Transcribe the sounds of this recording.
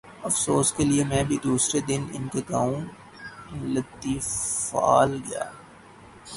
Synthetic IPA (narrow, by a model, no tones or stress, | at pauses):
ɐfsoːskeliemɛ̃ːbʱid̪uːsɾed̪ɪnɪ̰nkeɡaːũ | lɐt̪ːifa̰ːlɡɐja̰ː